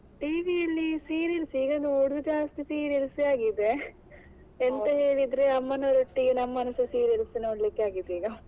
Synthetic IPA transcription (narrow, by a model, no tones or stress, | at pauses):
ʈiːʋiɐlːisiːɾijɐlsiːɡɐnuɽud̪ud͡ʒaːst̪isiːɾijɐlsaːɡid̪e | nt̪ɐɦeːɭid̪ɾeɐmːɐnɐːɾoʈːiɡenɐmːɐɐnɐsɐɾsiːɾijɐlsnoːɽlikːeaːɡid̪eiːɡɐ